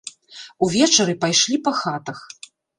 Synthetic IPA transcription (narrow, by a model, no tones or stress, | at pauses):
uvʲɛt͡ʂɐɾɨpajʂlʲipɐxat̪ɐx